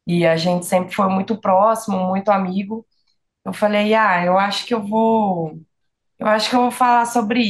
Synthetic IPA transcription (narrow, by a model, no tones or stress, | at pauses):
ɪaʒẽnt͡ʃɪ̥sẽmpɾɪfojmũj̃t̪ʊpɾɔsimʊmũj̃t̪ʊamiɡʊ | ewfalejaewaʃʊ̥kɪewvow | ḛwaʃʊ̥kɪewvowfalasobɾɪ